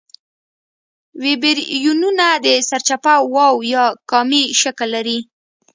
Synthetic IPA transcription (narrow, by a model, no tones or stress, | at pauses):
wɪbeɾjununad̪əsaɾt͡ʃapawɑwjɑkɑmiʃəklːaɾi